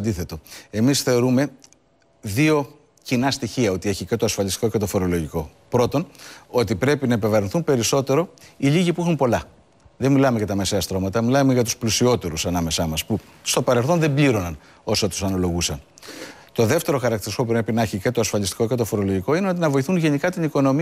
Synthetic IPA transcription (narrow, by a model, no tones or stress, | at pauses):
d̪iθe̞t̪o̞e̞misθe̞o̞ɾume̞ | ðio̞ | cinɐst̪içiɐo̞t̪ie̞çicet̪o̞ɐsfɐlist̪iko̞cet̪o̞fo̞ɾo̞lo̞ʝiko̞ | pɾo̞t̪o̞no̞t̪ipɾe̞pinɐepe̞vɐɾinθumpe̞ɾiso̞t̪e̞ɾo̞iʎiʝipuixumpo̞lɐ | ðemilɐmeʝɐt̪ɐme̞seɐst̪ɾo̞mɐt̪ɐmilɐmeʝɐt̪u̥splusio̞t̪e̞ɾusɐnɐme̞sɐmɐspu | st̪o̞pɐɾe̞lθo̞nðe̞mbʎiɾo̞nɐn | o̞sot̪u̥sɐnolo̞ɣusɐn | t̪o̞ðe̞ft̪e̞ɾo̞xɐɾɐkt̪iɾisko̞pupɾepinɐçicet̪o̞ɐsfɐlist̪i̥ko̞ce̞t̪o̞fo̞ɾo̞loʝiko̞ineot̪̬inɐvo̞iθunʝe̞nikɐt̪iniko̞no̞mi